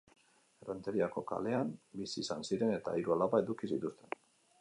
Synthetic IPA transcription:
erent̪eɾiako̞ka̰le̞ambisiːsansiɾe̞ne̞t̪a̰iɾualaβae̞ðukisit̪ust̪e̞n

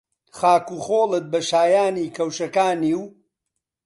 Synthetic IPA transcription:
χaːkuːχoːlɨt̪̚bɐʃaːjaːniːkʰɐwʃɐkaːniw

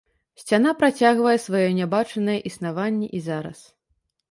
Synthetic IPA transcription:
sʲt͡sʲanapɾat͡sʲaɣvɐjɛsvajɔnʲabat͡ʂɐnɐjɛʔisnavanʲːɛʔizaɾɐ̰s

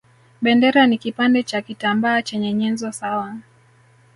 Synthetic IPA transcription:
ɓɛndɛɾanikipandɛt͡ʃakitambaːt͡ʃɛɲɛɲɛnzɔsawa

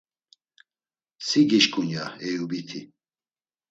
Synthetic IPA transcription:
siɡiʃkʼunjaɛjubit̪ʰi

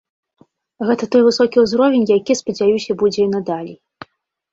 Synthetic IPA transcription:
ɣɛt̪ɐt̪ɔjvɨsɔkʲiuzɾɔvʲenʲjakʲispɐd͡zʲajusʲɐbud͡zʲɛinɐd̪alʲi

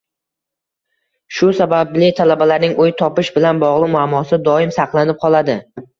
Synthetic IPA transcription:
ʃʊsabablɪt̪ʰalabalaɾnɪŋojt̪ʰɒpɪʃbɪlanbɒʁlˠɪmʊamːɒsɪd̪ɒɪmsɑqlˠanɪp̚qʰɒlˠad̪ɪ

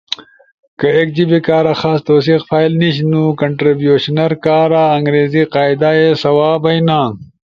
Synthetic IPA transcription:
kəek̚d͡ʑibikaːɾaxaːst̪oːs̬ixfaːilniɕ̬nukɐɳʈɾibjuɕnɐɾkaːɾaɐŋɡɾeːziqaːjd̪ajesɐwaːbɐjnãː

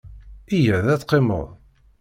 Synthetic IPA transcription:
ijæðæt͡sːqːemə̰ðˤ

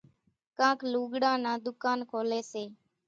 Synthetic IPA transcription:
kãːkʰluːɡɽãːnãːd̪ʊkaːnkʰoːleːseː

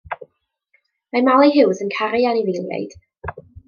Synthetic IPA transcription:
majmalˠejɦɪwzənkʰaɾɪanivejlˠja̰jd̥

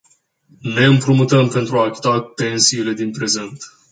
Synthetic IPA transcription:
ne̞ɨmpɾumut̪əmpe̞nt̪ɾuaːkʲi̥t̪ape̞nsiːle̞d̪inpɾe̞ze̞nt̪

